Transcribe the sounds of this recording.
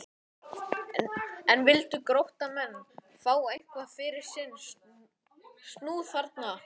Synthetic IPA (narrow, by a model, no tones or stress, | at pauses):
ɛnvɪlt̪ʏkɾowht̪amɛnː | faːwejŋ̥kvafɪɾɪɾ̥sɪnː | st̪nuːðfaɾt̪̚na